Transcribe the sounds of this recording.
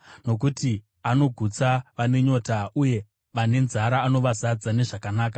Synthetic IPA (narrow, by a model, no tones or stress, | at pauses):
no̞k̬uti | ano̞ɡʱut͡saʋane̞ɲo̞ːtauje̞ | ʋane̞nzaɾaːno̞ʋazad͡zane̞ʐakanaːk̬ḁ